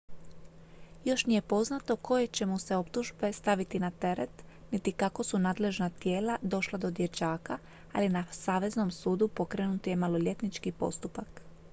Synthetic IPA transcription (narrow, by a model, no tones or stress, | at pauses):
jo̞ʃnije̞po̞znat̪o̞kʰo̞je̞t͡ɕe̞museo̞pt̪uʒbe̞st̪aʋit̪inat̪e̞ɾe̞t̪nit̪ikako̞sunaːd̪le̞ʒnat̪je̞ːlad̪o̞ʃlˠad̪o̞d̪je̞t͡ʃaːka | a̰linasaːʋe̞zno̞msuːd̪upo̞kɾeːnut̪je̞malo̞ʎʲe̞t̪nit͡ʃkipo̞̰st̪upak